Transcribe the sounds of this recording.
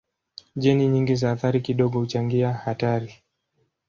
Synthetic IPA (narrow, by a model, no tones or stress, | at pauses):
ʄɛniɲiŋɡizaːθaɾikiɗɔɠɔhut͡ʃaŋɡiahataɾi